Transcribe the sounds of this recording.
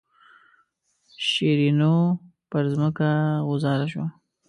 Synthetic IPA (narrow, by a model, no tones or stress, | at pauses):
ʃiɾinopəɾzməkaɣʊzɑɾaʃo